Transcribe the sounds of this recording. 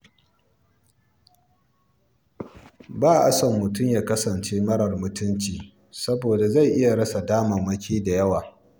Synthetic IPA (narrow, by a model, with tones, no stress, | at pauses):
baː˦˨ʔa˦sɐ˨mːʊ˨tʊ˦mjaː˦kɐ˦sɐ˨nt͡ʃeː˦mɐ˦ɽɐ˨rmʊ˨tʊ˦nt͡ʃiː˨ | sɐ˦boː˨da˨za˦˨jʔɪ˦ja˨ɽɐ˦sa˨daː˦mɐ˨mɐ˦kʲiː˦da˨jɐ˦waː˨